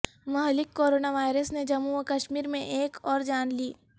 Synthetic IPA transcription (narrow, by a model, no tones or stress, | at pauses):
mɐɦlɪkːoːɾoːnaʋaːɪɾəsned͡ʒɐmukɐʃmiːɾmẽʔeːkɔːɾd͡ʒaːnliː